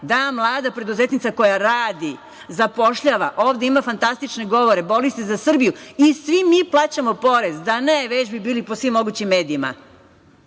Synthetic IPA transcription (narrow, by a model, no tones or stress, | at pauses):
d̪amlˠaːd̪apɾe̞d̪uzeːt̪nit̪sako̞jaɾaːd̪i | zapo̞ʃʎaʋaʔo̞ːʋd̪eimafant̪ast̪it͡ʃne̞ɡo̞ʋo̞ɾe̞bo̞list̪ezasr̩bijuisʋimːiplˠaːt͡ɕamo̞po̞ɾe̞zd̪aneʋed͡ʑbibiːlipo̞sʋimːo̞ɡuːt͡ɕimːe̞ːd̪iima̰